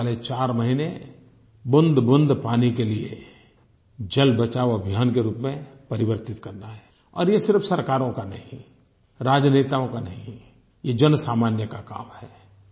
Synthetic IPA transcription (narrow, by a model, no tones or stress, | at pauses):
let͡ʃaːɾmɐɦine | bʊ̃nd̪ʱbʊ̃nd̪ʱpaːnikelie | d͡ʒɐlbɐt͡ʃaːʋɐbʱjaːnkeɾuːpmẽpɐɾɪʋəɾt̪ɪt̪kɐɾnaɦɛ | ɔ̰ːɾjesɪɾfsɐɾkaːɾõkanɐɦĩ | ɾaːd͡ʒneːt̪aõkanɐɦĩ | jed͡ʒɐnsaːmaːnjəkaka̰ːmhɛː